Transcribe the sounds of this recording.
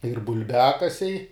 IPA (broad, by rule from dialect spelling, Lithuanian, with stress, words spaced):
ɪr bʊlʲˈbʲæːkɐsʲɛɪ